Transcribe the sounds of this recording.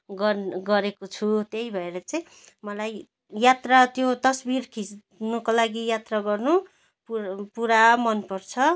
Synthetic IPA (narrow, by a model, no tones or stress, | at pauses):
ɡʌɡʌɾekot͡sʰut̪ejbʱʌeɾʌt͡sʌj̃ | mʌlaj | jat̪rat̪jot̪ʌsbiɾkʰis | nukolaɡijat̪raɡʌrnu | ppuɾamʌnpʌrt͡sʰʌ